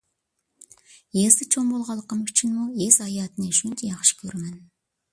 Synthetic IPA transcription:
jezd̪ɪt͡ʃʰombolˠʁɑlˠːəqəmzyt͡ʃʰynmuezɑjɑːt̪ɨneʃynnt̪ʰejɑχʃə̥kʲʰøɾmɛn

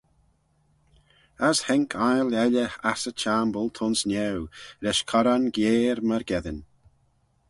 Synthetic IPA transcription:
əshɛŋkʰajlɛlʲəxasət͡ʃaːmbəlˠt̪ʰʊnsnɛwɾɛʃkʰɔɾanɡjeːɾməɾɡɛðən

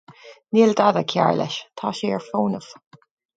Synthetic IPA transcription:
niːld̪adəkʰja̰ɹlɛ̰ʃt̪ʰaːʃeːəɹfoːnəv̥

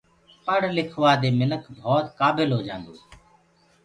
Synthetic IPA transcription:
pəɽ̤lɪkʰʋaːd̪eːmɪnəkbʱɔːt̪kaːbɪlɦoːd͡ʒã̰ːnd̪oː

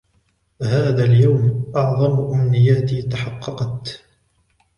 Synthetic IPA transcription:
haːðaːljawmʔɑʕðˤɑmʔamnɪjːaːt̪ɪt̪aħɑqːɑqɑt̪

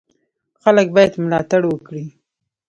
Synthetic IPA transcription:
xalək̚bɑjad̪mʊlɑt̪aɽwəkɽi

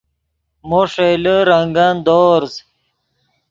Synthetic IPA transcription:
moʂeləɾɐŋɡɐnd̪oːɾz

